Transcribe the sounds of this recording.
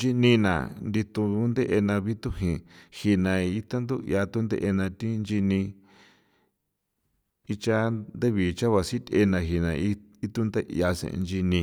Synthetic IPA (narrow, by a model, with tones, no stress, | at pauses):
d͡ʒi˧nĩ˧nã̰˨nd̪i˧t̪u˧˦nd̪e˦ʔe˧nã˧βi˦t̪u˦hĩ˨hi˧nã˨i˦t̪a˦nd̪u˦ḭ˧a˧t̪u˦nd̪ḛ˦ʔe˧nã˧t̪i˦nd͡ʒi˧nĩ˧ | i˦t͡ʃa˦nd̪e˦βi˨t͡ʃa˦βa˧si˦t̪ʲe˧nã˧ɦi˧nã̰˨i˦i˦t̪u˦nd̪e˦ʔḭ˧a˧sḛ̃˨˧nd͡ʒi˧nĩ˧